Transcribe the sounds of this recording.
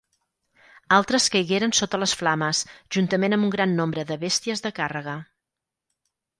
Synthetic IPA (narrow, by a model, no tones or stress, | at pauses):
alˠt̪ɾəskəjɣeɾənsot̪ələsflaməsʒ̥unt̪əmenəmbuŋɡɾanːombɾəðəβest̪iəzðəkarəɣ̞ə